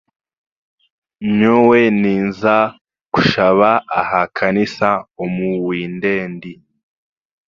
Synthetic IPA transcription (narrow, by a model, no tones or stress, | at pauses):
ɲoweniːnza | ku̥ʃaβaahakʰanisaomuwiːnde̞ːndi